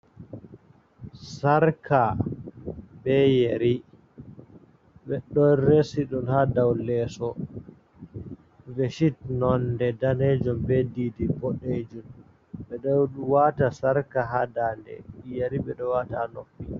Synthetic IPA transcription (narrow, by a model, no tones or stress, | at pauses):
saɾkʰa | bɛjeɾi | ɓɛɗɔɾesiɗɔnhadawlɛsɔ | veʃitnɔndɛdaned͡ʒɔmbedidibɔɗed͡ʒum | ɓɛɗɔwatasaɾkaɦadaːndɛ̰jeɾiɓɛɗɔwatanopːi